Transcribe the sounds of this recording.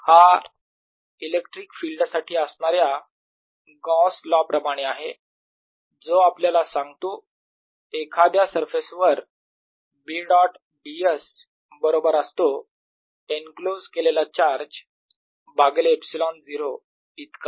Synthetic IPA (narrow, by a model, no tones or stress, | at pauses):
ha | ilekʈɾiːkfilɖsaʈʰiːəsɳaɾja | ɡɔ̃slɔpɾəmaɽ̃eaɦe | d͡zoapljalasãŋɡt̪o | ekʰad̪jasəɾfesʋəɾ | biɖɔʈ | bies | bəɾobəɾəst̪o | enklod͡zkelelat͡ɕaɾd͡ʑ | baɡleepsilɔnd͡ziɾo | it̪ka